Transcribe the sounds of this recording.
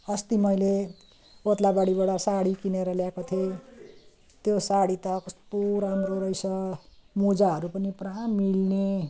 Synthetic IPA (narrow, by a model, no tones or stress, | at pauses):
ʌst̪imʌjle | ot̪labaɽibaɽʌsaɽikineɾʌljakot̪ʰe | t̪josaɽit̪ʌkspuɾʌamroɾʌjsʌmud͡zaɦʌɾupʌnipramilne